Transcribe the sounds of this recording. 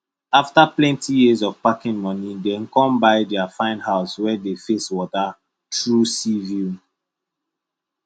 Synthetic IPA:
aftaplɛ̃ntijizɔv̥pakĩŋmɔnidɛ̃nkɔ̃mbaɪdɛafãɪ̃nhaʊswɛdefeswɔta | tɹusiviu

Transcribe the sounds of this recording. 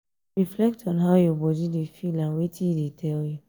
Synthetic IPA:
ɹiflɛk̚tʰɔ̃nɦaʊjɔbɔdidefilãnwetĩjdetʰɛlju

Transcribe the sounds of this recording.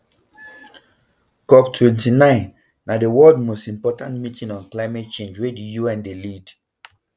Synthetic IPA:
kɔptʰwɛ̃ntinãɪ̃nː | adewɔldmostĩmpɔtãntmitĩnɔ̃nklaɪmɛt̚t͡ʃẽnd͡ʒwedijuɛ̃ndelid

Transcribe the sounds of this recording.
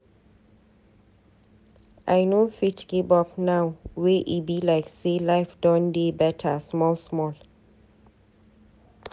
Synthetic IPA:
ʔajnofitɡ̥ibɔpnawweʔibilaɪkselaɪfdɔ̃ndebɛtʰasmɔlsmɔl

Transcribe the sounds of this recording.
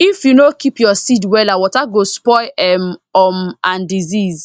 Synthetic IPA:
ifjunokipjɔsidwɛlawɔtaɡospɔɪɛmɔmãndiziz

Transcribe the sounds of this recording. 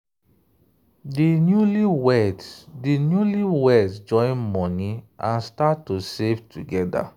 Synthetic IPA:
dinjuliwɛddinjuliwɛdd͡ʒɔ̃ɪ̃nmɔniãnstatːosevtʰuɡɛda̰

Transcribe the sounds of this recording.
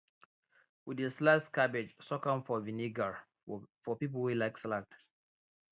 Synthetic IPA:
wideslaskabed͡ʒsɔkɔ̃mfɔviniɡaɹ | fɔpip̬əlwilaɪkslat

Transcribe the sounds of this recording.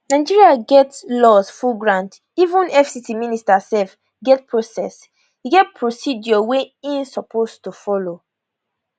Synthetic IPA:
naɪd͡ʒiɹiaɡɛtslɔsfulɡɹãnd | ivũnɛfsitiministasɛlf | ɡɛt̚pʰɹosɛs | hiɡɛt̚pʰɹosidjɔweĩnsɔpʰostufɔlo

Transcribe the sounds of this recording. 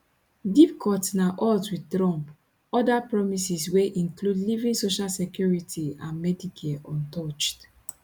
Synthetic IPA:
dip̚kʰɔtnaʔɔtwiddɹɔ̃mp | ɔdapɹɔmisisweʔĩŋkludlivĩŋsoʃalsɛkjuɹitʰiãnmɛdikʰeɔ̃ntɔt͡ʃt

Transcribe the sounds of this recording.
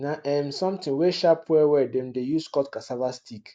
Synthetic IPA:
naʔɛmsɔ̃mtʰĩnweʃapʰwɛwɛdɛ̃ndejuskɔtkasavastʰik

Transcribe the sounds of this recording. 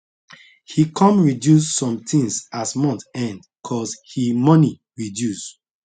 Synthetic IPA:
hikʰɔ̃mɹidjussɔ̃mtʰĩŋsasmɔ̃ntɛ̃nd | kʰɔshimɔni | ɹidjus

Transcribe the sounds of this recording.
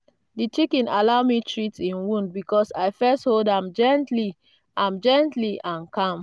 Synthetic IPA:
dit͡ʃikĩnalaʊmitʰɹitĩnwũnd̚bikɔsaɪfɛstholdãmd͡ʒɛ̃ntli | ãmd͡ʒɛ̃ntliãnkãm

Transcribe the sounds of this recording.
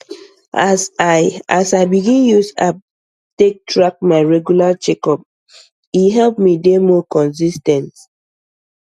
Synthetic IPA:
asaʔasaɪbiɡĩnjusa | tek̚tʰɹak̚maɪɹɛɡjulat͡ʃɛkɔp̚ | iɦɛlpmidemɔkɔ̃nsistɛ̃nt

